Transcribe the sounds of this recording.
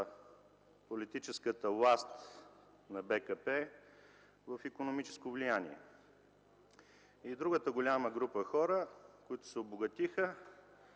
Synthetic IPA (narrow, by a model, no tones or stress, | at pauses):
polit̪it͡ʃɛskət̪əvlˠast̪ | nɐbɛkəpɛ | vəfikonomit͡ʃɛ̥skovlijanḭɛ̰ | id̪ɾuɡət̪əɡolʲaməɡɾupəxɔɾəkoit̪ʊ̥sɛoboɡɐt̪ixə